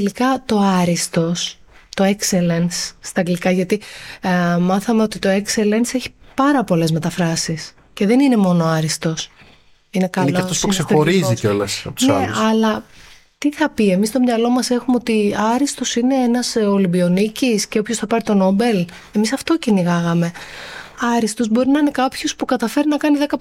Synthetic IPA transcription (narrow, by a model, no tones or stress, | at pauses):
elikɐt̪o̞ɐɾist̪o̞s | t̪o̞ekse̞lensːt̪ɐŋɡlikɐʝɐt̪i | mɐθɐme̞ot̪it̪o̞e̞kse̞le̞nse̞çi̥pɐɾɐpo̞le̞zme̞t̪ɐfɾɐsis | ce̞ðe̞nine̞mo̞no̞ɐɾist̪o̞s | inekɐloɐft̪osksexoɾiziolɐspneɐlɐ | t̪iθɐpie̞mist̪o̞mɲɐlo̞mɐse̞xumeot̪iɐɾist̪o̞sine̞enɐsolibio̞nicisce̞opçosθɐpɐɾit̪o̞no̞be̞l | e̞misɐft̪o̞ceniɣɐɣɐme̞ | ɐɾist̪o̞zbo̞ɾinɐine̞kɐpço̞spukɐt̪ɐfeɾinɐkɐniðe̞kɐ